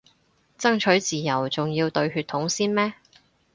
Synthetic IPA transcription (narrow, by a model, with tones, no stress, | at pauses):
t͡sɐ˥ŋt͡ʃʰɵ˨˥ɥt͡siː˨jɐ˨˩wt͡sʊ˨ŋjiː˧wt̪ɵ˧ɥɦyː˧t̪ʰːʊ˨˥ŋsiː˥nmɛː˥